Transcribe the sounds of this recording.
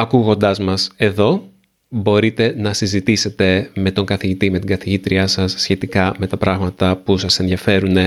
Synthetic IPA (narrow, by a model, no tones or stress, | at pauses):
ɐkuɣo̞nd̪ɐzmɐse̞ðo̞ | bo̞ɾit̪e̞nɐsizit̪ise̞t̪e̞me̞t̪o̞ŋɡɐθiʝit̪ime̞t̪iɡɐθiʝit̪ɾiɐsɐsçe̞t̪ikɐme̞t̪ɐpɾɐɣmɐt̪ɐpusɐse̞nðiɐfe̞ɾune̞